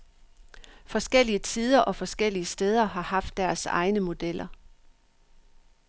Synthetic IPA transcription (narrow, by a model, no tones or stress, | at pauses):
fɒ̽sɡ̥el̰iət͡sʰiːð̞ˠɐʔɒ̽fɒ̽sɡ̥el̰iəsd̥eːð̞ˠɐɦɑ̈hɑ̈fd̥ːæɐsɑ̈ɪnəmo̝d̥el̰ɐ